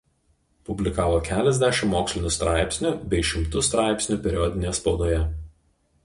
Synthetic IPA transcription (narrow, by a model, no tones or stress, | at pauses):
pʊbʲlʲɪkɑːʋoːkʲæːlʲɛzʲd̪ʲæʃʲɪmːoːksʲlʲɪnʲust̪ɾɑˑɪpʲsʲnʲʊbʲɛɪʃʲɪmt̪ʊst̪ɾɑˑɪpʲsʲnʲuˑpʲɛɾʲɔd̪ʲɪnʲejɛspɔʊd̪oːjɛ